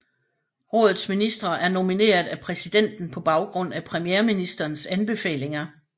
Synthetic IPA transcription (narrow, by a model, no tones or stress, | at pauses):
ʁɔ̽ːðˠð̩ˠsminisd̥ʁɐʔæɐno̝mine̝̰ːɐðˠæpʰʁɛsid̥en̰d̥n̩pʰɒ̽b̥ɑ̈ʊɡ̥ʁɔ̽n̰æpʰʁɛmijeːɐminisd̥ɐːnsænb̥e̝fɛ̰ːle̝ŋɐ